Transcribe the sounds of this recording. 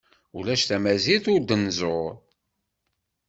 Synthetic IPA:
ulæʃθæmæziθʊɾd̪ənzoɾ

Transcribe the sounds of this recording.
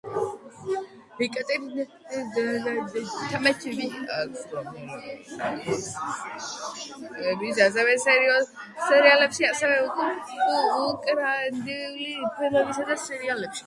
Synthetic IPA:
ɾikʼɛt̪ʼiɾ | t̪ʰamɛt͡ʃʰibit̪ɔm | bisas̬ɛvɛsɛɾi | sɛɾialɛpʃiasɛvɛukʼu | kʼɾand̪iulipʰɛlɔbisad̪asɛɾialɛpʃi̥

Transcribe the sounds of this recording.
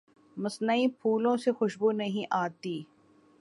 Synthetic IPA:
mɐsnəipʰuːlõsexʊʃbunɐɦĩʔaːt̪iː

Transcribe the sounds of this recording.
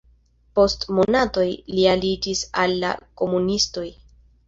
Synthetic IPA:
po̞stmo̞nato̞jlialid͡ʒisalːa̰ko̞munisto̞j

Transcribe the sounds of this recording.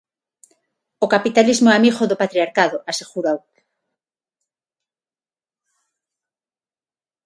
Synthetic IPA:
okapit̪alizmoamiɣoðopat̪ɾiaɾkaðoʔasexuɾaw

